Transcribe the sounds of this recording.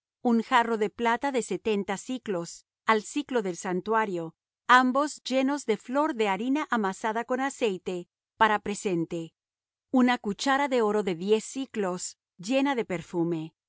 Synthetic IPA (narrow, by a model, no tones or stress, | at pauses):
uŋxaro̞ðe̞plat̪aðe̞se̞t̪e̞nt̪asiklos | alsiklo̞ðe̞lsant̪waɾjo̞ | ambo̞zʝe̞no̞zðe̞flo̞ɾðe̞aɾinaʔamasaðako̞nase̞jt̪e̞ | paɾapɾe̞se̞nt̪e̞ | unakut͡ʃaɾaðe̞o̞ɾo̞ðe̞ðje̞siklo̞s | d͡ʒe̞naðe̞peɾfume̞